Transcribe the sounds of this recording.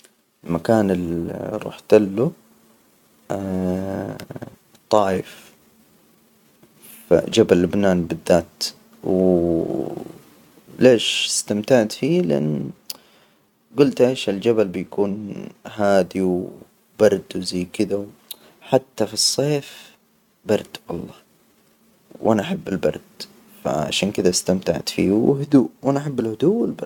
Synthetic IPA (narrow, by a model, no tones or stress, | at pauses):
ɪlmakaːnɪlɾˤṵːħt̪ɪlːu | t̪ˤːɑːjɪf | a̰d͡ʒabalːʊbnaːnbɪðːaːt̪ | w | leːʃɪ̥st̪amt̪aʕd̪fiːlɪʔa̰nː | ɡʊlt̪ʔeːʃɪld͡ʒabalbɪjakuːnɦaːd̪iw | b̥ɑɾˤd̪wzajːkɪd̪aw | ħat̪ːafisˤːeːf | bɑɾˤd̪̥wʔɑ̰lˤːɑː | wʔanaʔaħabːɪlbɑ̰ɾˤd̪̥ | fa̰ʕa̰ʃaːnkɪd̪ast̪amt̪a̰ʕt̪fḭːwhʊd̪uːʔwʔanaʔaħabːɪlhʊd̪uːwɪlbɑ